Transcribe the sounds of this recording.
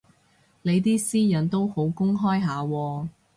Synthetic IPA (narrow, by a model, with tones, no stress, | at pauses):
le˨˧jt̪̬iː˥siː˥jɐ˨˥nt̪o˥who˨˥wkʊ˥ŋɦɔː˥jɦaː˨˧wɔː˧